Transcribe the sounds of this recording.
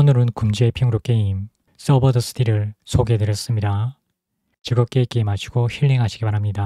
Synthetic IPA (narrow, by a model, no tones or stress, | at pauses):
onɯɾɯnkumd͡ʑiepʰiŋɯɾok͈eim | s͈ʌbʌdɯs͈ʰɯ̥dʰiɾɯɭsʰoɡe̞tɯɾjʌs͈ɯmɲida | t͡ɕɯɡʌp̚k͈e̞k͈eːmaɕʰiɡ̥oçiɭːe̞ŋɦaɕʰiɡipaɾɦamɲida